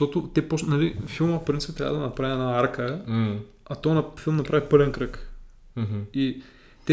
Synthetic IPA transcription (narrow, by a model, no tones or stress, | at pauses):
t̪ɔt̪ʊt̪ɛposnalifilˠməfpɾint̪sip̚t̪ɾa̰vəd̪ɐnɐpɾaviɛnaaɾkə | at̪ɔnɐfilˠmnɐpɾavipɤlɛnkɾək | ɦi | t̪ɛ